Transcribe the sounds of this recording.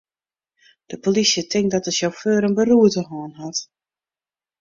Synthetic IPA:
d̥əpolisjətʰɪŋk̚dɔtəsjowføːɾənbəruətəɦɔːənɦɔt

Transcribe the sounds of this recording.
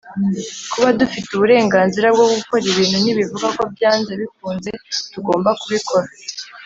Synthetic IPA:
kuβadufituβuɾe̞ːŋɡaːnziɾab̚ɡo̞ɡuko̞ɾiβiːn̥huniβivuɡako̞bjaːnzeβikuːnze̞tuɡo̞ːmbakuβikʰo̞ɾa

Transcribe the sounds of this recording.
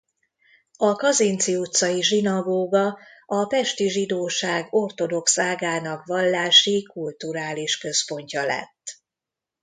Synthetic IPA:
ɒkɒzint̪siut̪sɒjiʒinɒɡoːɡɒɒpɛʃt̪iʒid̪oːʃaːɡo̞rt̪o̞d̪o̞ksaːɡaːnɒkʋɒlːaːʃikult̪uɾaːliʃkø̞spo̞ɲcɒlɛ̰t̪ː

